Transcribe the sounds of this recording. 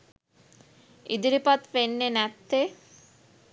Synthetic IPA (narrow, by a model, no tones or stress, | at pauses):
id̪iɾipat̪penːenɛt̪ːe